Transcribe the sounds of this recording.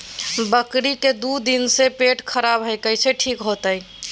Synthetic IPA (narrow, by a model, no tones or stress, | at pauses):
bəkɾiked̪ud̪insepeʈkʰəɾabɦəjkəjt͡ʃʰeʈʰikɦot̪əj